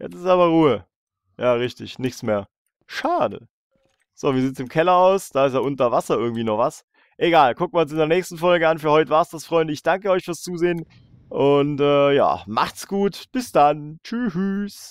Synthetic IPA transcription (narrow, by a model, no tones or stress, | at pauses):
jɛ̰t͡sɪstʔaːbɐʁuːə | jaːʁɪçtɪ̰çnɪçt͡smeːɐ | ʃaːdə̰ | z̥oːviːɐiːt͡ssɪmkʰɛlɐaʊsd̥aːɪs̬tjaːʔʊntɐvasɐʔɪɐɡŋ̩tv̥iːnɔχv̥as | ʔeɡaːlkʰʊk̚tmaːʊns̬ɪndeːɐnɛːçstn̩fɔlɡəanfyːɐhɔʏtəvaːɐsd̥asfʁ̥ɔʏndəɪçd̥aŋkəɔʏçfyːɐst͡suːzeːən | ʔʊntɛːja̰ːma̰χtsɡ̥uːtb̥ɪsd̥ant͡ʃyyːs